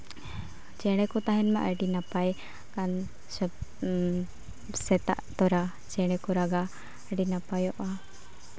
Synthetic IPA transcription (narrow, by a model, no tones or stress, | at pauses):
t͡ʃɛɽ̃ɛkɔt̪aɦɛnmaʔəɖinapaj | kan | sɛ | sɛt̪a̰ʔt̪ɔɾa | t͡ʃɛɽ̃ɛkɔɾaɡa | əɖinapajɔʔa